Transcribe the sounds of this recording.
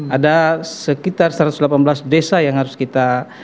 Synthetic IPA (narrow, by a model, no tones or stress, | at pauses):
adasəkit̪arsɾat̪uslapanbəlasdesajaŋhaɾʊskit̪a